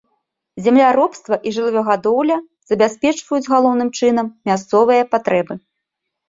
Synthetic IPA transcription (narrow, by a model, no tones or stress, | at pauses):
zʲɛmlʲaɾɔpst̪vɐʔiʐɨlˠɨvʲɔɣad̪ɔwlʲɐ | z̥ɐbʲasʲpʲɛt͡ʂvɐjud͡zʲɣalˠɔwnɨmt͡ʂɨnɐmːʲast̪sɔvɨjɐpat̪ɾɛbɨ